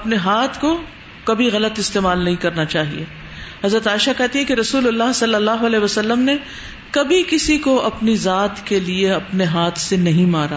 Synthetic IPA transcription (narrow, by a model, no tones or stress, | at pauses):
ɐpneɦaːt̪ʰko | kɐbʱiɣɐlət̪ɪst̪eːmaːlnɐɦĩkɐɾnat͡ʃaːɦḭḛ | ɦɐzɾət̪aːɪʃakɛɦt̪iɦɛ̃keɾɐsuːlɐlːaɦsɐlːɐlːaːɦoɐlɛːɦʋɐsɐlːəmne | kɐbʱikɪsikoʔɐpnizaːt̪kelieɐpneɦaːt̪ʰsenɐɦĩmaːɾa̰